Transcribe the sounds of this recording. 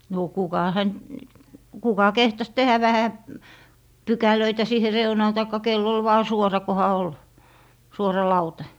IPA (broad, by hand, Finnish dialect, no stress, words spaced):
noˑ kukɑ hænt kukɑ kehtɑs tehæ ʋæhæ pykæløitæ siːhe reunɑːn tɑikːɑ kelː ol ʋɑː suorɑ kohɑ ol suorɑ lɑutɑ